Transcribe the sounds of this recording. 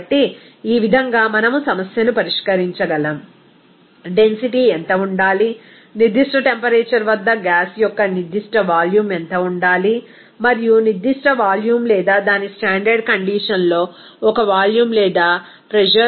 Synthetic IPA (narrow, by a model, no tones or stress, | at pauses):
ɐʈːi | iːʋid̪ʱɐŋɡaːmɐnɐmusɐmɐsjɐnupɐɾiʂkɐɾiɲt͡ʃɐɡɐlɐm | ɖe̞nsiʈiɛnt̪ɐuɳɖaːli | niɾd̪ʱiʂʈɐʈe̞mpɐɾeːt͡ʃɐɾʋɐd̪ːɐɡaːsjɔkːɐniɾd̪ːiʂʈɐʋaːljuːment̪ɐuɳɖaːli | mɐɾijuniɾd̪ʱːiʂʈɐʋaːljuːmlɛːd̪aːd̪aːnisʈaːɳɖɐɾɖ̚kɐɳɖiːʂɐnlo̞ː | ɔkɐʋaːljuːmlɛːd̪aːpɾɛd͡ʒɐ